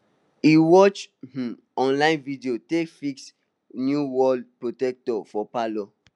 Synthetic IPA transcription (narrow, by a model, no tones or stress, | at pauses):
iwɔt͡ʃh̩ | ɔ̃nlãɪ̃nvidiotekfiks | njuwɔdpɹotɛk̚tɔfɔpalɔ